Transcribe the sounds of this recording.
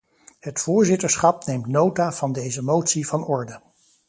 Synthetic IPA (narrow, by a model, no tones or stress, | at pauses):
hətfʊːɹzɪtəɹsχɑpnejmtnowtaːv̥ɑndejzəmowtsivɑnɔɹdə